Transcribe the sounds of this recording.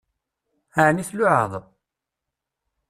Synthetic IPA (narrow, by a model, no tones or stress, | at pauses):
aʕniθlʊʕə̰ðˤ